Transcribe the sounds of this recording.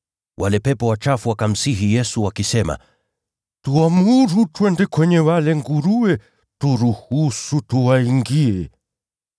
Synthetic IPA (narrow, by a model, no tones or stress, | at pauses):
wʔalɛpɛpɔwat͡ʃafuwakam̩siɦijɛsuwakisɛma̰ | tuamuɾutwɛndɛkwɛɲɛwalɛŋɡuɾuwɛ | tuɾuhusutuwaiŋɡiɛ